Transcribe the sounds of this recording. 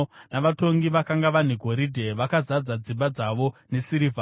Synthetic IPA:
naʋato̞ŋɡiʋakaŋɡaʋan̤iɡʱo̞ɾidʱe̞ʋakazad͡zad͡zimbad͡zaʋo̞ne̞siɾiva

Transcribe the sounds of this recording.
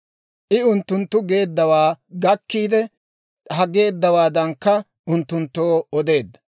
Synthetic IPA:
ʔɪʊnt̪ːʊnt̪ːʊɡe̞ːd̪ːɐwaːɡɐkːiːd̪ɛ | hɐɡe̞ːd̪ːɐwaːd̪ɐŋkːɐ | ʔʊnt̪ːʊnt̪ːoːɔd̪e̞ːd̪ːɐ̥

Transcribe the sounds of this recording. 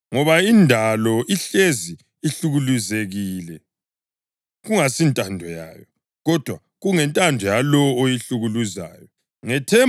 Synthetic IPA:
ŋɔβaindʱalɔʔiɬezi | iɬuɣuluzeɣiːlɛ | ɣuŋasintʼandʱɔja̰ːjɔ | ɣɔd̥ʱwa | ɣuŋɛntʼandʱɔjalɔojiɬuɣuluza̰ːjɔ | ŋɛtʰɛ

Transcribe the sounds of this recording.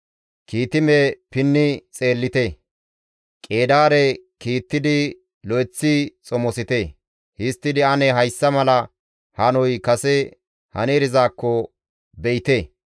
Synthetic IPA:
kiːt̪ɪmepɪnːɪt͡sʼe̞ːlːɪt̪e | kʼeːd̪aːɾɛkiːt̪ːɪd̪ɪ | lɔjt͡sːɪt͡sʼɔmɔsɪt̪e | hɪst̪ːɪd̪ɪɐnɛɦɐjsːɐmɐlɐ | hɐnɔjkɐsɛ | hɐ̰neːɾɪzaːkːɔ | bɛɪt̪eː

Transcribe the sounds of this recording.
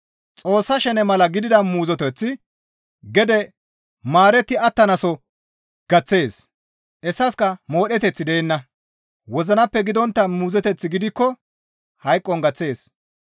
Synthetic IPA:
t͡sʼo̞ːsːɐʃɛnɛmɐlɐɡɪd̪ɪd̪ɐmuːzɔt̪ɔt͡sːɪ | ɡɛd̪ɛ | maːɾɛt̪ːɪɐt̪ːɐnɐsɔ | ɡ̥ɐt͡sːe̞ːs | ʔɛsːɐskɐmo̞ːɗɛt̪ɛt͡sːɪd̪ɛɛnːɐ | wɔzɐnɐpːɛɡɪd̪ɔnt̪ːɐmuːzɛt̪ɛt͡sːɪɡɪd̪ɪkːɔ | hɐjkʼːɔŋɡɐt͡sːe̞ːs

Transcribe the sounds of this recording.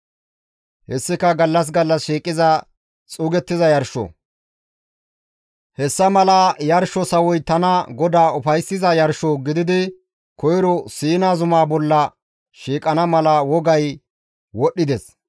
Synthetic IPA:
hɛsːɪkɐɡɐlːɐs̬ɡɐlːɐsʃiːkʼːɪzɐ | t͡sʼuːɡɛt̪ːɪzɐjɐɾʃɔ̰ | hɛsːɐmɐlaːjɐɾʃɔsɐwɔjt̪ɐnɐɡɔd̪aːʊfɐjsːɪzɐjɐɾʃɔɡɪd̪ɪd̪ɪ | kɔjɾɔsiːnaːzʊmaːbɔlːɐ | ʃiːkʼɐnɐmɐlɐwɔɡɐj | wɔɗːɪd̪ɛs

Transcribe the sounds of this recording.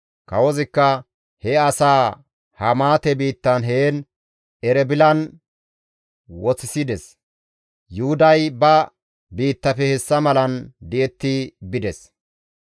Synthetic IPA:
kɐwɔzɪkːɐ | hɛɐsaː | hɐmaːt̪ɛbiːt̪ːɐnɦeːn | ɛɾɛbɪlɐn | wɔt͡sɪsɪd̪ɛs | jʊhʊd̪ɐjbɐ | biːt̪ːɐfɛhɛsːɐmɐlɐnd̪ɪʔɛt̪ːɪbɪd̪ɛs

